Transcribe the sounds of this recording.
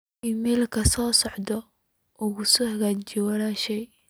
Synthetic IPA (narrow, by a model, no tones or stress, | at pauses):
ɪmiːlkʰɐsɔːsɔʕd̪ɔ | ʔʊɣʊsɔhɐɣat͡ʃɪwɐɾaːʃɛj